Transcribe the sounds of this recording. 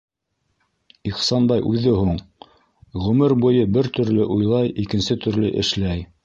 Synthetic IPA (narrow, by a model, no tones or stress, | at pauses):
iχsɑnbɑjʔʉðɘhuɴ | ʁɵ̆mɘɾbujɤbɘɾt̪ɵ̆ɾlɘʔujlˠɑjikɘ̆nsɘt̪ɵ̆ɾlɘ̰ʔɘ̰̆ʃlæj